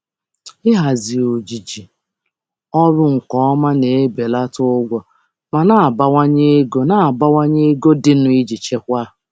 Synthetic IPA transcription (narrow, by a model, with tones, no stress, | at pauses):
ɪ˦ɦa˨zi˨o˨d͡ʒi˨d͡ʒi˨ | ɔ˦ɾʊ˦ŋ̩˨kɔ˦ɔ˦ma˦ne˨e˦be˨la˦tʊ˦ɡʷɔ˨ | ma˨na˦˨a˨ba˦wa˦ɲe˦e˦ɡo˦na˦˨a˨ba˦wa˦ɲe˦e˦ɡo˦dɪ˨nʊ˨i˦d͡ʒi˨t͡ʃe˦kʷa˦